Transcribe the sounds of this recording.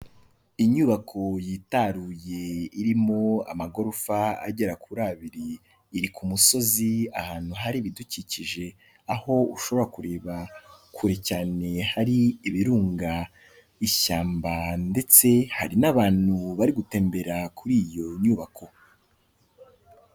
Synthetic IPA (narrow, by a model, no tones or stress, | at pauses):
iɲuːβakʰo̞jitaɾuje̞iɾimo̞a̰maɡo̞ɾufaa̰ɟe̞ɾakʰuɾaβiɾiː | ɾikʰumuso̞ziahaːn̥huɦaɾiβiduciciʒe̞ | aho̞ṵʃo̞βo̞ɾakuɾe̞ːβakʰuɾecaːne̞haɾiːβiɾuːŋɡa | iʃaːmbande̞t͡se̞ha̰ɾinaβaːn̥huβaɾiɡute̞ːmbe̞ɾakʰuɾiːjo̞ɲuːβakʰo